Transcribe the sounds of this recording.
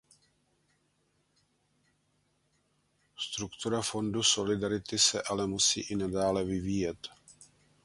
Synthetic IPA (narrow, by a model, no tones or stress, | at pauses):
st̪ɾukt̪uɾafo̞nduso̞lɪdaɾɪt̪ɪsɛ̰ʔalɛmusḭːʔɪnadaːlɛvɪviːjɛt̪